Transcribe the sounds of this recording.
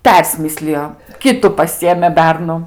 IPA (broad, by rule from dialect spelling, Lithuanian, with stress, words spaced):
ˈpʲɛrʲsʲmʲɪsʲlʲɪjoː ˈkʲɪtʊ pɐˈsʲɪjeːmʲeː ˈbʲɛrnʊ